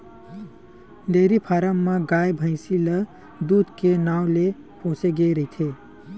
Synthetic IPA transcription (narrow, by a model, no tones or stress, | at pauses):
ɖeːɾipʰaːɾəmːãɡaːjbʱə̃ɪ̃silə | d̪uːd̪ʱkenaːwle | põːseɡeɾəit̪ʰeː